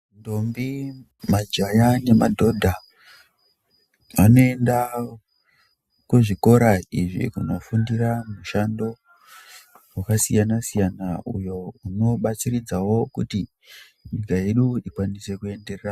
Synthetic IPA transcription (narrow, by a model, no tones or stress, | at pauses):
ndombi | mad͡ʒajane̞madʱo̞dʱa | ano̞e̞nda | kuʐiko̞ɾaiʐḭkuno̞fundiramuʃando̞ | wakasijanasijanaṵjo̞uno̞ɓat͡sirid͡zawo̞kuti | ɲikae̞ɗuikwanise̞kue̞nde̞rera